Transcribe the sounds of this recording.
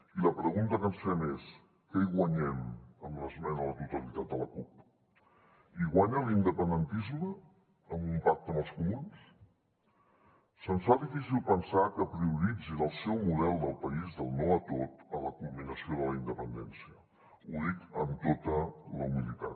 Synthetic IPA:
iləpɾəɣunt̪əkənsfɛmes | kəiɣwəɲɛməmləzmɛnələt̪ut̪əlit̪at̪̚d̪ələkup̚ | iɣwaɲəlind̪əpənd̪ənt̪izməː | mbumpak̚t̪əməlˠskumuns | sənsfaðifisilˠpənsakəpɾiuɾid͡zinəlˠsɛwmuð̞ɛlˠd̪əlˠpəizðəlˠnoət̪ot̪ələkulminəsioðələind̪əpənd̪ɛnsiə | uðik̪əmt̪ot̪ələumilit̪a

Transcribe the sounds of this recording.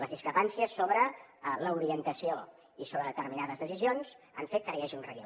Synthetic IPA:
ləzðiskɾəpansiəsːoβɾələuɾiənt̪əsio | isoβɾəðət̪əɾminaðəzðəsizionz | a̰ɱfet̪̚kəɾəɛʒiunrəi

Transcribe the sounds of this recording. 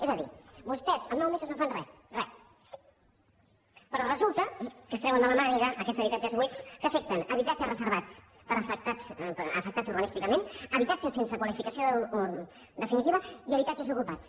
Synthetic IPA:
ezəðḭbust̪ɛzəmnawmezəznofanrɛ | rɛ | pəɾɔrəzulˠt̪əkəst̪ɾɛwənd̪ələmaɾiɣəːkɛd͡zzəβit̪ad͡ʒəzβweskəfek̚t̪ənəβit̪ad͡ʒəsrəzəɾβat͡s | pəɾfək̚t̪at͡səfək̚t̪at͡suɾɣənist̪ikəmenəβit̪ad͡ʒəsːensəkwalifikəsio | d̪əfinit̪iβəiəβ̞it̪ad͡ʒəzukupat͡s

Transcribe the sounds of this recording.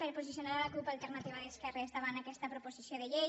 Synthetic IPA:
peɾpuzisjonaɾalakupalˠt̪eɾnat̪iβaðeskɛrest̪aβanakɛst̪apɾoupozisjoðeʎe

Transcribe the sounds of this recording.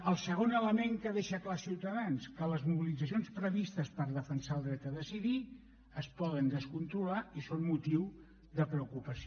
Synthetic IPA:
əlˠsəɣ̞onələmeŋkəðeʃəklasiwt̪əðanskələzmuβilidd͡zəsionspɾəβist̪əspəɾðəfənsalˠd̪ɾɛt̪əðəsiði | əspɔðənd̪əskunt̪ɾulaisonmut̪iw | ðəpɾəukupəs

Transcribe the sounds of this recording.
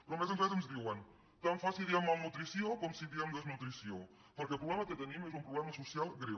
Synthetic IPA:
pɾɔmez̬ẽnt̪ɾɛzɐnzðiwɐn | t̪ãw̃fasiðiamawnut̪ɾisiõkɔmsiðiamd̪ɐznut̪ɾisjo | poɾkelpɾuβlɛmɐket̪enĩmɛzumpɾuβlɛmɐsusjalˠɣɾe

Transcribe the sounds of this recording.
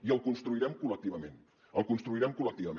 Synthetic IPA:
iəlˠkunst̪ɾuiɾɛmkulək̚t̪iβəmẽn | əlˠkunst̪ɾuiɾɛmkuləkt̪iβə

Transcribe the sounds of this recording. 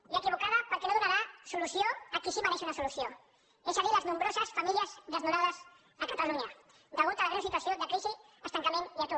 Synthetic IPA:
iaekiβokaðapaɾkenoðunaɾasoluθjoakisimaneʃunasoluθjo | esaðilaznõmbɾosasfamiljazðeznoɾaðas | akat̪aluɲa | d̪aɣolt̪alaɣɾansit̪waθjod̪akɾisi | ast̪aŋkamẽniat̪o

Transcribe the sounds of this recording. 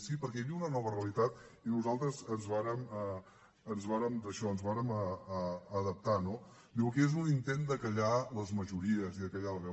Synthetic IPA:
sipəɾkɛβiunənɔβəreəlit̪at̪inuzalˠt̪ɾəzənzβaɾəmə | ənzβaɾəmd̪əʃɔənzβaɾəməː | ðəp̚t̪ano | d̪iwkezunint̪end̪əkəʎaləzməʒuɾiəziðəkəʎaləβɛ

